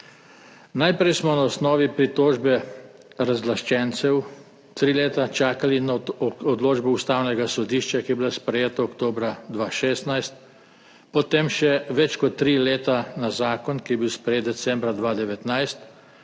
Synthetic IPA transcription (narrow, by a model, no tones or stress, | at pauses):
najpɾɛjsmɔnaɔsnɔːʋipɾit̪oːʒbɛ | ɾazlaʃt͡ʃɛnsɛw | t̪ɾiːleːt̪at͡ʃaːkalinɔd̪loːd͡ʒbɔust̪aːwnɛɡasɔd̪iːʃt͡ʃakijɛbilaspɾɛjeːt̪aɔkt̪oːbɾad̪ʋaʃeːst̪najst̪̚ | pɔt̪emʃɛʋɛt͡ʃkɔt̪ːɾileːt̪anazaːkɔnkijɛbiwspɾɛjeːt̪̚d̪ɛsɛ̃mbɾad̪ʋaːd̪ɛʋɛt̪najst̪